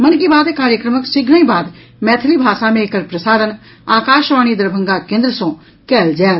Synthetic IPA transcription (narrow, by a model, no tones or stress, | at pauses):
mənɡiːbaːd̪ekaːɾjəkɾəməksɪɡnəĩːbaːd̪ | mɛːt̪ʰəliːbʱaːsaːmẽɪkəɾpɾəsaːɾən | aːkaːʃʋaːɽ̃iːd̪əɾbʱə̃ŋɡaːkẽːnd̪ɾəsõː | kɛːld͡ʒɛː